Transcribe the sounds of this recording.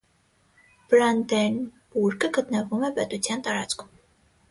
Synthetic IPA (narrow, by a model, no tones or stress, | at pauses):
b̥ɾɑnd̪ɛnbuɾkəɡət̪nəvumɛpɛt̪ut͡sʰjɑnt̪ɑɾɑt͡skʰum